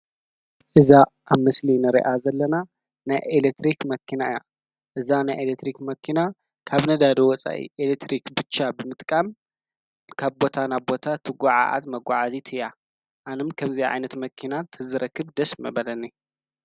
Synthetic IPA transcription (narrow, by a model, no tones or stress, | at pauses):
ʔɨzaʔaβmɨslinɨɾḭʔazɐlːɐna | najʔelek̚t̪ɾikmɐkʰːinaɨja | ʔɨzanajʔelet̪ɾikmɐkʰːina | kʰaβnɐd̪ad̪iwɔt͡sʼa̰ʔḭʔelek̚t̪ʰɾikbɨt͡ʃːabɨmɨt̪ʼkʼam | kʰaβbo̞t̪ʰanaβbo̞t̪ʰat̪ʰɨɡʷaʕa̰ʔa̰t̪mɐɡʷaʕazit̪ʰɨja | ʔanɨmkʰɐmziʕa̰jnɐt̪mɐkʰinat̪ʰɐzɨɾɐkʰːɨβd̪ɐsmɐ̰bɐlɐnːi